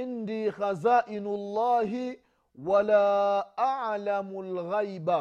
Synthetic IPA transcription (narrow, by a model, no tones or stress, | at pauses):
ɪnd̪iːxazaːʔɪnʊlˤːɑːɦɪ | walaːʔaʕlamʊlɣajba